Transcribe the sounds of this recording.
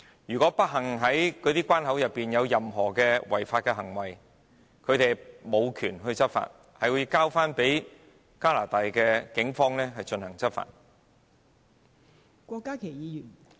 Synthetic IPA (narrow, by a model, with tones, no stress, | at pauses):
jyː˨kɔː˨˥pɐ˥t̚ɦɐ˨˩ŋɦɐ˨˥jkɔ˨˧˥t̪iː˥kʷwaː˥nɦɐ˨˥wjɐ˨pːiː˨njɐ˨˧wjɐ˨mɦɔː˨˩kɛː˧wɐ̰˨˩jfaː˧t̚kɛː˧ɦɐ˨˩ŋwɐ˨˩j | kʰɵ˨˧ɥt̪e˨jmo˨˧wkʰyː˨˩nɦɵ˧ɥt͡sɐ˥t̚fa̰ː˧˨t̚ | hɐ˨jwuː˨˧jkaː˥wfaː˥npe˨˥j | kaː˥laː˨˩t̪aː˨jkɛː˧kɪ˨˥ŋfɔː˥ŋlɛː˥ɦɐ˨jt͡ʃɵ˧nhɐ˨˩ŋt͡sɐ˥t̚fa̰ː˧˨t̚ | kʷɔː˧kːaː˥kʰe˨˩jiː˨˧jyː˨˩n